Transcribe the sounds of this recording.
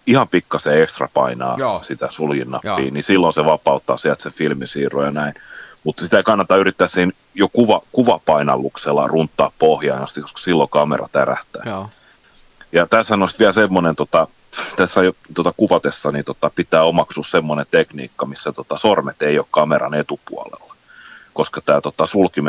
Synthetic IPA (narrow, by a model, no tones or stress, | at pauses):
ihɑmpikːɑseekst̪rɑ̰pɑ̰inɑ̰ːsit̪æsuljinːɑpːḭːnisilːonseʋɑpɑut̪ːɑ̰ːsiælt̪sefilmisiːrojɑnæinmut̪sit̪æikɑnːɑt̪ːɑyrit̪ːæːssiːn | jokuʋɑkuʋɑpɑinɑ̰lːukselːɑ̰runt̪ːɑːppohjɑinɑst̪ikːoskɑ̥silːokɑmḛrɑ̰t̪æræ̰ht̪æ̰ː | jɑt̪æːsɑnoˑst̪ʋiælsemːonent̪ot̪ɑ | t̪æsːæjot̪ot̪ɑkuʋɑt̪esːɑnit̪ot̪ɑpit̪æːomɑksuːssemːonent̪eknḭːkːɑmisːæt̪ot̪ɑsormet̪eiokkɑmerɑ̰net̪upṵɑ̰lḛlːɑ̥ | koskɑt̪æːt̪ot̪ɑsulkim